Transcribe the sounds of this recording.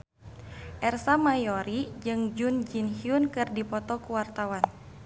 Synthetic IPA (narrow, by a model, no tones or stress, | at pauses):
ʔɛrsamajɔɾid͡ʒɨŋd͡ʒund͡ʒinhiunkɨrdipɔt̪ɔkuwart̪awan